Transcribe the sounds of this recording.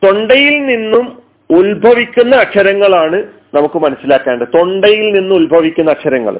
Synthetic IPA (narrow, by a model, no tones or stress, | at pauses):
t̪o̞ɳɖɐjilninːum | ulbʱɐʋikʲːunːɐːkʂɐɾɐŋːɐɭaːɳɨ | nɐmukːɨmɐnɐsːilaːkːaːɳɖɨt̪o̞ɳɖɐjilninːumulbʱɐʋikʲːunːɐkʂɐɾɐŋːɐ̰ɭ̰